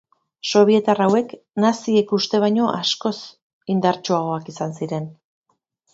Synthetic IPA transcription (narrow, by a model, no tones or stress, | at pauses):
so̞β̞ie̞t̪arawe̞k | nasiekust̪e̞β̞ajɲo̞ʔasko̞s | ind̪aɾt͡ʃoaɣ̞o̞akisansiɾe̞n